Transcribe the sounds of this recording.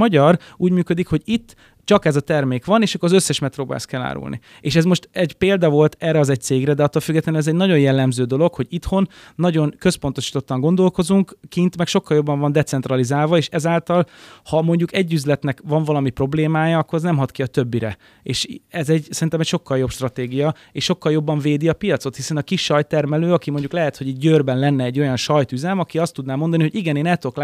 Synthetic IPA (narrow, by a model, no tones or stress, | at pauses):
ɒɟɒruːɟmyːkø̞d̪ikho̞ɟit̪ː | t͡ʃɒkɛzɒt̪ɛrmeːkʋɒneːʃɒkːoɾɒzøsːɛʃmɛt̪roːba̰ːlskɛlːa̰ːɾṵlnḭ | eːʃɛzmo̞ʃt̪ɛɟpeːld̪ɒvo̞lt̪ɛːrːɛɒzɛc̚t̪seːɡɾɛd̪ɛɒt̪ːoːlfyɡːɛt̪lɛnɛzɛɟnɒɟo̞njɛlːɛmzøːd̪o̞lo̞kho̞ɟit̪ho̞nːɒɟo̞nkø̞spo̞n̪t̪o̞ʃi̥ːt̪o̞t̪ːɒŋɡo̞nd̪o̞lko̞zuŋkkint̪mɛkʃo̞kːɒljo̞bːɒɱvɒnd̪ɛt̪sɛnt̪rɒlizaːlvɒeːʃɛzaːlt̪ɒlhɒmo̞ɲɟukɛɟːyzlɛt̪nɛkvɒɱvɒlɒmipro̞bleːmaːjɒɒkːo̞ɾɛznɛmɦɒt̪kiɒt̪ø̞bːiɾɛ̰ | eːʃɛzɛɟsɛɾint̪ɛmɛcʃo̞kːɒljo̞pʃt̪rɒt̪eːɡijɒ | eːʃʃo̞kːɒljo̞bːɒɱveːd̪iɒpijɒt̪so̞t̪hisɛnɒkiʃːɒjt̪ːɛrmɛløːɒkimo̞ɲɟuklɛɦɛt̪ho̞ɟiːɟ̚ɟøːrbɛnlɛnːɛːɟːo̞jɒnʃɒjt̪yzɛmɒkiɒst̪ud̪naːmo̞nd̪ɒniho̞ɟiɡɛneːnɛlt̪ok